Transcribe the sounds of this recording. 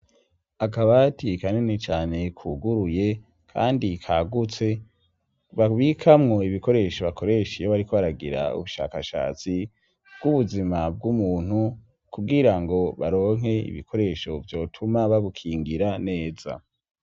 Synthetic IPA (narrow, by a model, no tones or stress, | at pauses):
akaβatikanenet͡ʃaːne̞kʰuɡuɾuje̞ | kʰa̰ːndikʰaɡut͡se̞ | βaβikʰamŋo̞iβiko̞ɾe̞ʃoβakʰo̞ɾe̞ʃijoβaɾiko̞βaɾaɡiɾa̰ṵβuʃa̰ːkaʃa̰ːt͡si | bɡuβuzimab̚ɡumuːn̥hu | kuɡiɾaŋɡo̞βaɾo̞ːŋ̥ɦe̞ḭβḭkʰo̞ɾe̞ʃo̞vjo̞ːtʰumaβaβukʰiːŋɡiɾane̞ːza̰